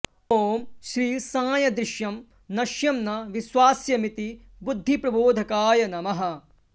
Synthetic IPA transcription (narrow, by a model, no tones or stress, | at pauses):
oːmʃɾiːsaːjɐd̪ɾɪʃjɐm | nɐʃjɐmnɐʋiʃʋaːsjɐmit̪i | bud̪ʱːipɾɐboːd̪ʱɐkaːjɐnɐmɐɦɐ̆